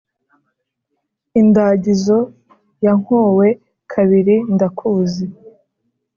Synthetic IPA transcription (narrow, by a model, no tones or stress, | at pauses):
indaɟizo̞ | jaŋ̥hoːwe̞ | kʰaβiɾindakʰuːzi